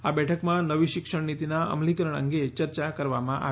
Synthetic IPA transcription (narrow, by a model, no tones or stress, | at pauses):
abɛʈʰəkmãnəʋiʃɪkʃəɳnit̪inaʔə̰mlikəɾəɳ̃ə̰ŋɡet͡ʃəɾt͡ʃakəɾʋamãʔa̰ʋ